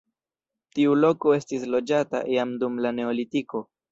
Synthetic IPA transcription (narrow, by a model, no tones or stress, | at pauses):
tiulo̞ko̞e̞stislo̞d͡ʒata̰ʔjamdumlane̞olitiko̞